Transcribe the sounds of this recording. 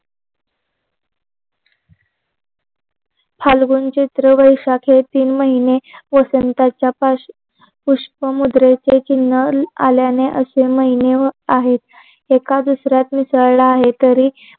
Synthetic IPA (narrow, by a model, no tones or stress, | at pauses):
pʰalɡunt͡ɕet̪ɾəʋəjʂakʰet̪iːnməɦineʋəsənt̪at͡ɕjapa | puʂpəmud̪ɾet͡set͡ɕinːəa̰ljaneʔəseməɦineaɦet̪ | ekad̪usɾjat̪misəɭɭaːɦet̪əɾiː